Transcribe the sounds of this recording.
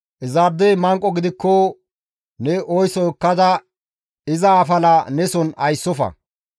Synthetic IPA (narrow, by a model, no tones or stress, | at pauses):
ʔɛzaɾd̪ɛjmɐŋkʼːɔɡɪd̪ɪkːɔ | nɛʔɔjsɔɔkːɐd̪ɐ | ɪzɐːfɐlɐnɛsɔnɐjsːɔfɐ̰